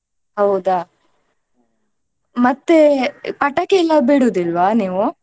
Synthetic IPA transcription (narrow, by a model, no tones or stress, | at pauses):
hɐwd̪a | mɐt̪ːepɐʈːɐkeilːɐbeɽuːd̪ilʋaniːʋu